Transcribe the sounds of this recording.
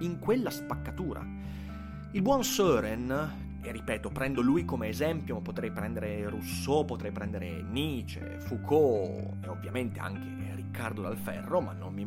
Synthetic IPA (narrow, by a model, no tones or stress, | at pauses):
iŋkwelːaspakːat̪uːɾʔa̰ | ilbwɔnsøːɾɛn | erːipɛːt̪opɾɛnd̪olujkomeːzɛmpjomapːot̪ɾɛjpɾɛnd̪eɾerusːopːot̪ɾɛjpɾɛnd̪eɾḛ | niːt͡ʃḛ | fukʰo | eovːjament̪ea̰ŋk̟ʰe | rikːard̪od̪alfɛ̰rːomanːo̰mːi